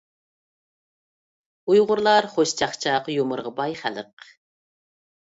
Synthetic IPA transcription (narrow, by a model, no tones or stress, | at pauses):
ujʁʊɾlˠɑɾχoʃt͡ʃʰɑχt͡ʃʰɑqjomʊɾʁɑbɑjχæ̰lə̰q